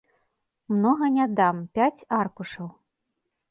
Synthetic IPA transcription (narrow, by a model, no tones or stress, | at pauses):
mnɔɣɐnʲad̪ampʲat͡sʲarkuʂɐw